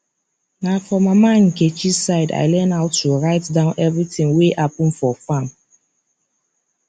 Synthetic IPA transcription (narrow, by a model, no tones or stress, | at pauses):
nafɔmamãn̩ket͡ʃisaɪda̰ɪlɛnaʊtːuɹaɪtdãʊ̃nʔɛvɹitĩŋweʔap̚m̩fɔfãm